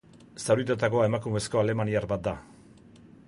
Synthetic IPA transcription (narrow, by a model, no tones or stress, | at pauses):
sawɾit̪at̪ako̞aemakume̞sko̞ale̞maniaɾbat̪̚d̪a